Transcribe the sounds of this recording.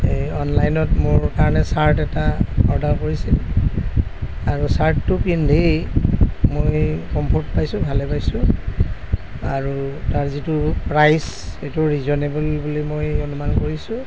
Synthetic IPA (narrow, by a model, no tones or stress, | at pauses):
ejɔnlajnɔtmʊɹkaɹɔnɛsaɹtɛtaɔɹdaɹkoɹisil | aɹusaɹtːupindʱej | mojkɔmpʰɔɹtpajsʊ̃bʱalɛpajsʊ̃ | aɹutaɹzitupɹajsejtuɹizɔnebɔlbulimojonumankoɹisʊ̃